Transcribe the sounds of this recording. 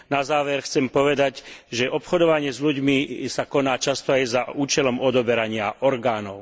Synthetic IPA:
nazaːʋɛɾxt͡sɛmpɔʋɛd̪aɟʒɛʔɔpxɔd̪ɔʋaɲɪɛzʎuɟmisakɔnaːt͡ʃast̪ɔajzauːt͡ʃɛlɔmɔd̪ɔbɛɾaɲɪaʔɔɾɡaːnɔʊ

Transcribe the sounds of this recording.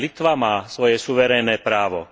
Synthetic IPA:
lit̪ʋamaːsʋɔjɛsuʋɛɾɛjnɛːpɾaːʋɔ̰

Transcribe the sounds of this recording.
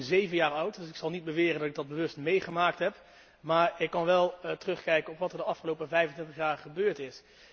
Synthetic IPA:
zejvənjaːɹʌwtdɵsɪksɑlˠnid̚bəʋɪːrəndɑtɪɡ̚dɑd̚bəʋɵstmejχəmaːk̚tɦɛp | maːɹɪkːɑnʋɛlˠtərɵχkɛjkənɔpʋɑtəɹdəɑfχəlowpəvɛjvəntɪntəχjaːɹχəbøːɹtɪs

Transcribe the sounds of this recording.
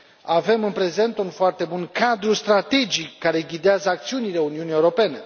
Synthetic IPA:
ave̞mɨnpɾe̞ze̞nt̪unfoart̪e̞bunkad̪ɾust̪ɾat̪e̞d͡ʒikːaɾe̞ɡʲid̪eazəak̚t̪siunile̞uniunije̞wɾo̞pe̞ne̞

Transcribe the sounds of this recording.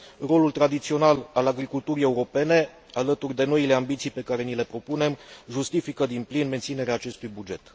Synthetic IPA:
ro̞lult̪ɾad̪it̪sio̞nalalaɡɾikult̪uɾije̞uɾo̞pe̞ne̞ | alət̪urʲd̪e̞no̞ile̞ambit̪sijpe̞kaɾe̞nile̞pɾo̞pune̞mʒust̪ifikəd̪inplinme̞nt̪sine̞ɾeaːt͡ʃe̞st̪ujbud͡ʒe̞t̪

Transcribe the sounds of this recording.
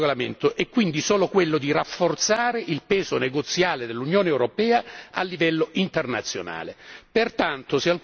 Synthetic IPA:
olamḛnt̪ʊʔɛkːwind̪isɔːlokwelːʊd̪irafːort̪saːɾeʔilpɛːzoneɡot̪sːjaːled̪elːunjoːneɛwɾopɛːaa̰lːivɛlːoʔint̪ernat̪sːjo̰na̰ːlepert̪ant̪ʊsɪal

